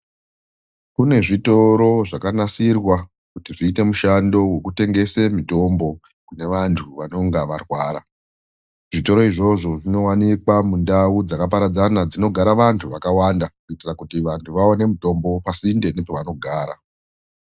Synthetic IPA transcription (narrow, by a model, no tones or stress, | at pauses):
kune̞ʐito̞ɾo̞ʐakanasirwa | kutiʐiːte̞muʃando̞we̞kute̞ŋɡe̞se̞mito̞mbo̞ | kune̞ʋantʰuʋano̞ŋɡaʋarwaːɾa̰ | ʐ̥ito̞ɾo̞iʐo̞ʐo̞ʐino̞wanikwamundaud͡zakap̬aɾad͡zanad͡zino̞ɡʱaɾaʋantʰuʋakawandakuitirakutiʋantʰuʋaone̞muto̞mbo̞pasinde̞nepoʋano̞ɡʱaːɾa̰